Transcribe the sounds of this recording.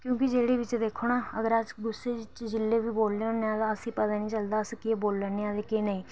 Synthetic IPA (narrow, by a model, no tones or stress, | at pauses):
kjõːkɪd͡ʒeːɽeːʋɪt͡ʃd̪eːkʰoːnaːəɡəɾad͡ʒɡʊsːeːɪt͡ʃd͡ʒɪlːeːʋiːboːlleːoneaːd̪aəsĩːpət̪aːnĩːt͡ʃəld̪aːəskɪeːboːlːənːeːad̪eːkenəĩː